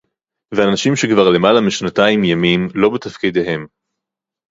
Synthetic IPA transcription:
veanaʃimʃekvaʁle̞malamiʃnat̪aimjamimlo̞bet̪afkid̪eɦe̞m

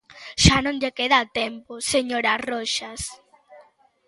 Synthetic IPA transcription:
ʃanõnʎekeðat̪emposeɲoɾaroʃas

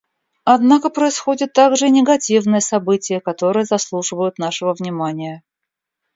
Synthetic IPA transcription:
ɐd̪nakəpɾəɪsxo̞dʲɪt̪ːaɡʐɨnʲɪɡɐtʲivnɨjəsɐbɨtʲɪjəkɐt̪o̞ɾɨjəzɐslˠuʐɨvəjʊt̪naʂɨvəvnʲɪmanʲɪjə

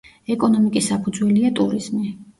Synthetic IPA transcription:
ɛkʼɔnɔmikʼisapʰud̪zwɛliat̪ʼuɾiz̥mi

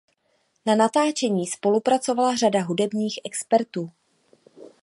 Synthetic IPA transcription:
nanat̪aːt͡ʃɛɲiːspo̞lupɾat͡so̞valaradaɦudɛbɲiːxʔɛkspɛɾt̪uː

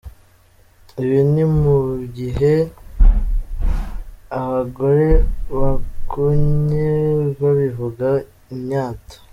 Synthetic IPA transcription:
iβinimuɟiɦe̞ | aβaɡo̞ɾe̞βakuɲeβaβivuɡa | iɲaːtḁ

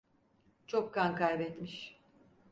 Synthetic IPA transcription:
t͡ʃʰokːankajbɛt̪miʃ

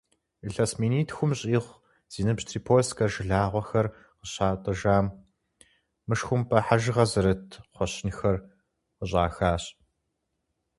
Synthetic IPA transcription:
ɨɬɐsmiːniːtʰxʷʊmɕʼiːχʷ | z̥iːnɨpʃtʰriːpʰoːskʰɐrʒɨɮaːʁʷɔxɐr | qəɕaːtʼɨʒaːm | ɨʂxʷʊmpʰɐħaʒɨʁɐzɐɾɐtʰχʷɔɕɪnxɐr | qəɕ̬ʼaːxaːɕʼ

